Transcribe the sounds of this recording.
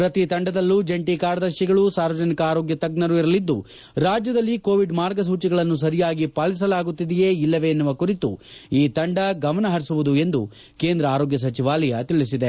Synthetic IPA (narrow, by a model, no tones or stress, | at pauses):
pɾɐt̪it̪ɐɳɖɐd̪ɐlːud͡ʒeɳʈikaːɾɐd̪ɐɾʃiɡɐɭusaːɾʋɐd͡ʒɐnikɐaːɾo̞ːɡjɐt̪ɐɡ̚nɐɾuiɾɐlid̪ːṵ | ɾaːd͡ʒjɐd̪ɐlːikoːʋiɖmaːɾɡɐs̬uːt͡ʃiɡɐɭɐnːus̬ɐɾijaːɡipaːlis̬ɐlaːɡut̪ːid̪ɛje̞ːilːɐʋenːɐʋɐkuɾit̪ṵiːt̪ɐɳɖɐɡɐmɐnɐɦɐɾisuʋud̪ue̞nd̪ṵ | ke̞ːnd̪ɾɐaːɾoːɡjɐs̬ɐt͡ʃiʋaːlɐjɐt̪iɭisid̪e